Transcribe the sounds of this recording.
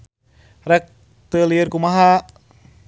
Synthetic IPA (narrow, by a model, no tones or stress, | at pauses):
rɛk̚ | t̪əlirkumaɦa